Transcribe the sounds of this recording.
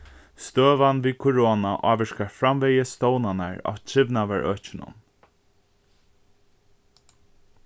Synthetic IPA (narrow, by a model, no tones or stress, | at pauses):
st̪øːʋanviːkʰʊɹoːnaʔaːʋɪʂkaɹfɾamvɛjəst̪oːwnanaɹa̰wt͡ʃʰɪvnaʋæɹʔœːt͡ʃɪnʊ̰n